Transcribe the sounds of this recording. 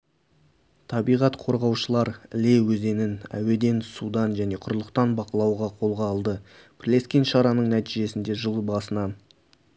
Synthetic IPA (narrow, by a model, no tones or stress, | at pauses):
t̪ʰɑbijʁɑt̪qʰo̞ɾʁɑwʃəlˠɑɾɪ̰le̞wɵze̞nɪnæ̰we̞d̪e̞nsud̪ɑnʒæne̞qʰʊɾlˠəqt̪ɑnbɑqəlˠɑwʁɑqʰolˠʁɑːlˠd̪ə | b̥ɪɾle̞skʲenʃɑɾɑnəɴnæt̪iʒe̞sɪnd̪e̞ʒəlˠbɑsənɑn